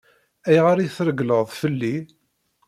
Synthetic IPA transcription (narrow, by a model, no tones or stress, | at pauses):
æjʁaɾiθɾəɡləʁðˤfəlːi